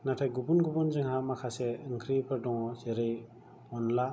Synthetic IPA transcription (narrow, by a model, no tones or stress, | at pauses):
natʰajɡubunɡubunzɯŋhamakʰaseɯŋkʰɾipʰɯɾdɔŋɔzeɾɯj | ɔnla